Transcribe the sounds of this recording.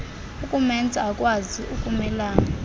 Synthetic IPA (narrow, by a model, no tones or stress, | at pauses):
ukʼumɛnd͡zʱʼaakʼwaziʔukʼumɛlaːna